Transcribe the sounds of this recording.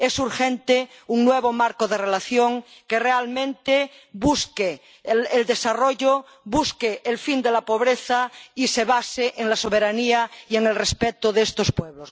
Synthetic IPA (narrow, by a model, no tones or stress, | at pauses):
esuɾxẽnt̪euŋnweβomaɾkoðerelaθjoŋkerealmẽnt̪e | buskeː | ld̪e̞saroʎo | βuskeʔelfind̪elapo̞β̞ɾeθaiseβaseʔeŋlasoβ̞eɾaniaieŋelrespet̪oðeest̪ospweβlos